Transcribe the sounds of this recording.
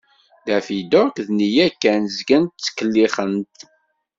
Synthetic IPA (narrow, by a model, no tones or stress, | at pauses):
ðæfid̪oɾkðnijækːænzɡənt̪t͡sːə̥kːəlːiχənt̪